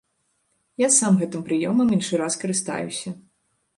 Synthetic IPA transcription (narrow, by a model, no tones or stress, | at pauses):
jasamɣɛt̪ɨmpɾɨjɔmɐminʂɨɾaskɐɾɨst̪a̰jṵsʲɐ